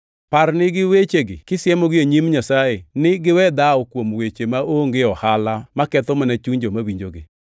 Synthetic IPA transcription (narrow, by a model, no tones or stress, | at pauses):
paɾnɪɡɪwet͡ʃeɡɪ̰kɪsjɛmoɡɪoɲimɲasajenɪɡɪwɛd̪aɔkwomwet͡ʃemaoŋɡeɔhalamakɛt̪ɔmanat͡ʃuɲd͡ʒomawiɲd͡ʒoɡe